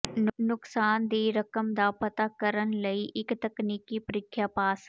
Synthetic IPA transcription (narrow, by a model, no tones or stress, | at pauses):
nnʊksaːnd̪iɾəkəmd̪aːpət̪akəɾənləiʔɪkt̪əkniːkːipəɾɪkʰːjapaːs